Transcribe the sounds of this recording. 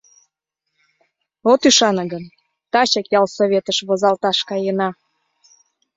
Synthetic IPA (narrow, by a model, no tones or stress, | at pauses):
ot̪yʃɑnə̆ɡən | t̪ɑt͡ɕəkjɑlsoβʲet̪əʃβozɑlt̪ɑʃkɑjənɑ